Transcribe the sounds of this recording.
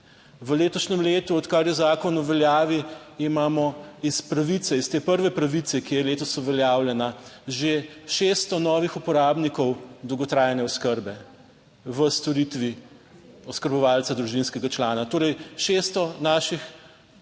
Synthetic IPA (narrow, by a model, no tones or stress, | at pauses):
ʋəleːt̪ɔʃnɛmleːt̪uɔt̪kaɾjɔzaːkɔnuʋɛljaːʋiimaːmɔispɾaʋit̪sɛist̪eːpəɾʋɛpɾaʋit̪sɛkijɛleːt̪ɔsuʋɛljaːwlɛnaʒeʃest̪ɔnɔːʋixupɔɾaːbnikɔwd̪owɡɔt̪ɾaːjnɛɔskəɾbɛ | ʋəst̪ɔɾit̪ʋi | ɔskəɾbɔʋaːlsad̪ɾuʒinskɛɡat͡ʃlaːnat̪oːɾɛjʃeːst̪ɔnaːʃix